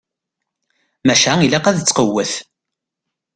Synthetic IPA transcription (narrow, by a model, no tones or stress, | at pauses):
mæʃæilæqæðt͡sːqəwːəθ